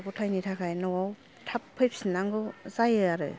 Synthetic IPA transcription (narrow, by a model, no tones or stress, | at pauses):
ɡutʰajnitʰakʰajnɔwaw | tʰappʰːɯjpʰsinaŋɡɯzajɯaɾɯ̰